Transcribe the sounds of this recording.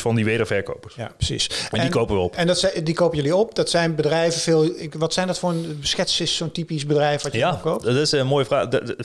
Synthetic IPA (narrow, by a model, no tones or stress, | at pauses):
fɑndiʋeːdəɹvɛɹko̰wpəɹsja̰prəsḭsɛdinkowpəʋəɔpɛndtɛdikowpəjɵliɔp̚dɑtsɛjnbədrɛjvəvɪːlˠɪkʋɑtsɛjndɑtfʊːɹənsxɛtsɪssoːntipis̬bədrɛjfəʋɑəjaɔkowptɪsənmoːjəvraː